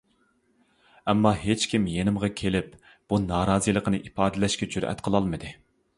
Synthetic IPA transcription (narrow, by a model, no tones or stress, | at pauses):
ɛmːɑɦet͡ʃkʲʰimjenɪmʁɑkʲʰelɪp̚ | b̥unɑːɾɑːzijlˠəqənɨʔipɑːd̪ɪlɛʃkʲɛd͡ʒyɾɛ̰t̪qʰəlˠɑlˠmɨd̪ɨ